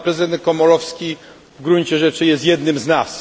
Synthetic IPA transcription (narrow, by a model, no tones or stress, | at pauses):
pɾɛzɨd̪ɛnt̪̚kɔmɔlɔfskʲi | vɡɾuɲt͡ɕɛʐɛt͡ʂɘjɛst̪ʲjɛd̪nɘmznas